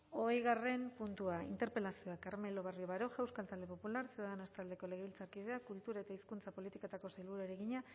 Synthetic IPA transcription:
o̞ejɣare̞mpunt̪uaḭnt̪e̞ɾpe̞lasio̞akaɾme̞lo̞β̞arioβaɾo̞ʝawskalt̪ald̪e̞po̞pulaɾsiuðanoest̪ald̪e̞ko̞le̞ɣ̞e̞βilt͡saɾkiðeakult̪uɾae̞t̪aiskunt͡sapo̞lit̪ikot̪ako̞sajlβuɾuaeɾe̞ɣiɲa

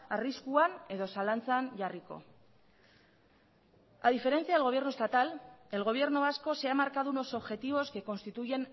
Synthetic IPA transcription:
ariskuane̞ðo̞salant͡sanʝariko̞̰ | aðife̞ɾe̞nt͡siaðeɣo̞β̞jerno̞st̪at̪ale̞lɣo̞β̞je̞ɾnoasko̞se̞amaɾkaðuno̞so̞βʝe̞t̪iβ̞o̞ske̞ko̞nst̪it̪uje̞n

